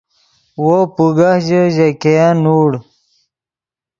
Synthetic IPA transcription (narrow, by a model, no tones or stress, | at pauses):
wopuɡahʑəʑekejanuːɽ